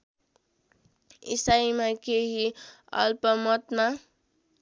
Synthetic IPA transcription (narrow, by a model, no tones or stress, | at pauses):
ḭsaimakeɦi | ʌ̰lpʌmʌt̪ma